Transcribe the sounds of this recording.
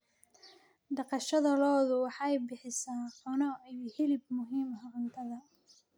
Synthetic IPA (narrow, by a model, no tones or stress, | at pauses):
d̪ɐqɑʃɐðɐlɔːðʊwɑħɑjbɪħɪsaːħʊnɐhɪlɪb̚mʊɦiːmɦɐʔʊnt̪ʰɐðɐ